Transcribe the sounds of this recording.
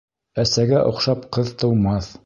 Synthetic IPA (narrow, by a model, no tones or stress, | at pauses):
æsæɡæʔŏqʃɑpqɤðt̪ɤ̆wmɑθ